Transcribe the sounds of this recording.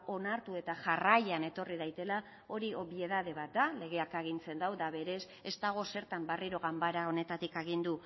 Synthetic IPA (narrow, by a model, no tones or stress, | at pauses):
o̞naɾt̪ue̞t̪aʝarajane̞t̪o̞riðajt̪e̞la | o̞ɾio̞βie̞ð̞að̞e̞βat̪̚d̪ale̞ɣ̞e̞akaɣ̞int͡se̞nd̪awðaβe̞ɾe̞s | e̞st̪aɣ̞o̞se̞ɾt̪ambariɾo̞ɣambaɾao̞ne̞t̪at̪ikeɣ̞ind̪u